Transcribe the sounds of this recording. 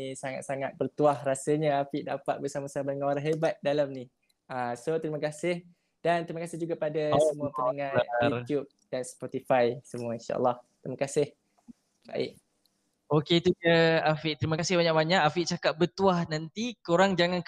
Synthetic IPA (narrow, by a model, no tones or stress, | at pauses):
saŋa̰t̪̚saŋat̪̚bərt̪uahrasəɲaafiʔdapa̰t̪̚bərsamasamadəŋaaɾaɦebat̪̚dalamni | asot̪ɾiməkasɪh | d̥ant̪ɾimakasɪhd͡ʒuɡapadaəmuəəaŋãnt̪jup̚d̥anspɔt̪ifajsəmuainʃa̰ʔə̰lːɑhttt̪ɾimakasɪh | ba̰ʔɪ̰ʔ | okeit̪uəafiʔt̪əɾimakasɪhbaɲaʔbaɲaʔafiʔt͡ʃakaʔ̪̚bərt̪uahnant̪ikoɾaŋd͡ʒaŋãnk